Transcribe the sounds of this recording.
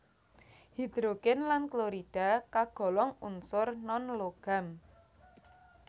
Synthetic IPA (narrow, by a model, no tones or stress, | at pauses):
hid̪̥ɾoɡɛnlankloɾid̥a̤kaɡ̥ɔ̤lɔŋunsʊrnɔnloɡ̥a̤m